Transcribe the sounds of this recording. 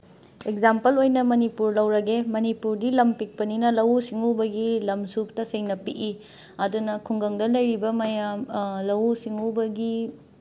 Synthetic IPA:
ekzampɐlojnɐmɐnipuɾlɐwɾɐɡemɐnipuɾdilɐmpik̚pɐninɐlɐwsiŋubɐɡilɐmsup̚tɐseŋnɐpiʔi | ɐdunɐkʰuŋɡɐŋdɐlɐjɾibɐmɐjamlɐwsiŋubɐɡi

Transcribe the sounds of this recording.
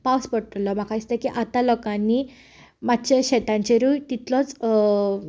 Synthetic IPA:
paspəɽʈ̪lɔm̤akaist̪ekiʔat̪alɔkanːiː | mat̪ɕaɕɛt̪ãɲt͡ɕeɾut̪it̪lɔt͡s

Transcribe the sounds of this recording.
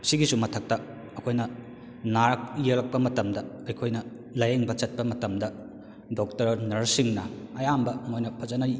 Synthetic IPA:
siɡisumɐtʰɐk̚tɐː | kʰojnɐ | naɾɐk̚jelɐk̚pɐmɐtɐmdɐɐjkʰojnɐ | lɐjeŋbɐt͡ʃɐt̚pɐmɐtɐmdɐ | dok̚tɐɾnɐɾsiŋnɐɐjambɐmojnɐpʰɐzɐnɐɾi

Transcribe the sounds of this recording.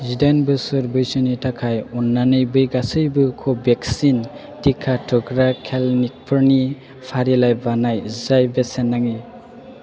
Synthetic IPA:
zidanbɯsɯɾbɯjsɯnitʰakʰajunːanɯjbɯjɡasɯjbɯkʰɔbeksin | tikʰatʰɔɡɾakʰelnik̚pʰɯɾni | pʰaɾilajbanajzajbesenːaŋi

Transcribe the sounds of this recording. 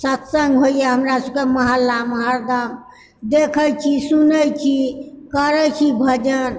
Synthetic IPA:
sət̪səŋɡɦoijeɦəmɾasəb̚keməɦalːaməɦaɾd̪am | d̪ekʰəjt͡ʃʰisunəjt͡ʃʰikəɾət͡ʃʰibʱəd͡ʒən

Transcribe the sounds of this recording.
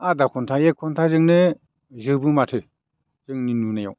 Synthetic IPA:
adakʰɔntʰajekʰɔntʰazɯŋnɯ | zɯbɯmatʰɯ | zɯŋninunajaw

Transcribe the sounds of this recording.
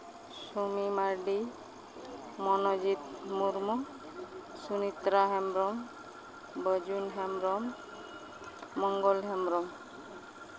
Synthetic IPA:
sumimaɾɖi | mɔnod͡ʑit̪muɾmu | sunit̪ɾaɦemɾɔm | bəd͡ʒunɦemɾɔm | ɔŋɡolɦemɾɔm

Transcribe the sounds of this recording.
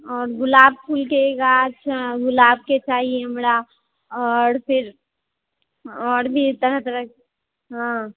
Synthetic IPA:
ɔːɾɡʊlaːb̚pʰulkeɡaʃʰaɡʊlaːb̚ket͡ʃaːɦieɦɐmɾa | ɔːɾpʰɪɾ | ɔːɾbʱit̪əɾəɦt̪əɾə | ɦã

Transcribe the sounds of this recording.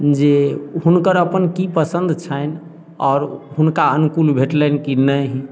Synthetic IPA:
d͡ʒehunkəɾəpənkipəsə̃nd̪ʱt͡ʃʰən | ɔːɾɦunkaənukulbʱeʈlɛnkinəɦi

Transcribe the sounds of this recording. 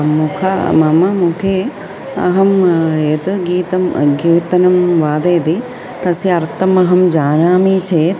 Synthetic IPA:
mukʰɐmɐmɐmukʰeː | ɐ̰ɦɐmet̪uɡiːt̪ɐmɡiːt̪ɐnɐmʋaːd̪eːd̪i | t̪ɐsiɐɾt̪ɐmɐɦɐmd͡ʒaːnaːmiːt͡ʃeːt̪

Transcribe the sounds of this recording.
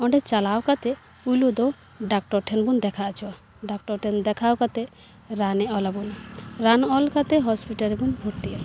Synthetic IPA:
ɔɳɖet͡ʃalawkat̪e | pulud̪ɔ | ɖak̚ʈɔɾʈʰɛnbund̪ɛkʰat͡ʃʰɔwa | ɖak̚ʈɔɾʈʰend̪ɛkʰawkat̪e | ɾaneɔlabunɾanɔlkat̪eɦɔspiʈaɾebunbʱuɾt̪ia

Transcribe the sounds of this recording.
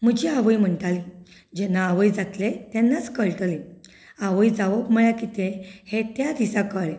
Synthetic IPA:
m̤əd͡ʑiaʋəjm̤əɳt̪ali | d͡ʑɛnaːʋəjd͡zat̪let̪jɛnːat͡skəɭʈle | aʋəjd͡zaʋəbməɭjakit̪ehet̪jad̪isakəɭe

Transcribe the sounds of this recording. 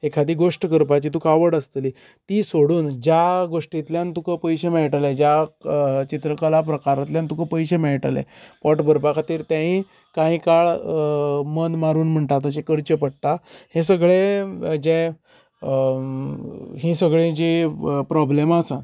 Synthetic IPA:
ekʰad̪iːɡoʂʈəkəɾpat͡ɕit̪ukaʋəɽəst̪liː | t̪iːsoɽuːnd͡ʑjaɡoʂʈit̪ljant̪ukəpəjɕemɛɭʈaled͡ʑja | t͡ɕit̪ɾəkəlap̬ɾəkaɾat̪ljant̪ukəpəjɕemɛɭʈalḛpɔʈbəɾpakat̪iːɾt̪jãɦĩ | kãɦĩkaɭ | mənmaɾuːnm̤əɳʈ̪at̪əɕ̬ekəɾt͡ɕəpəɽt̪ahes̬əɡɭed͡ʑe | ɦĩsəɡɭẽd͡ʑepɾɔblemasan

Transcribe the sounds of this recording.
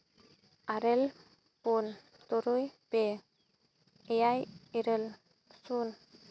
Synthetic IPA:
aɾel | pun | t̪ɔɾojpe | jajiɾel | sun

